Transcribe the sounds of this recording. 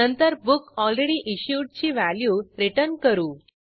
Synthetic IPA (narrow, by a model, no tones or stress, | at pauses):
ənt̪əɾbukɔlɾeɽiːʔiɕjuʈ̚t͡ɕiːʋæljuːɾiʈənkəɾuː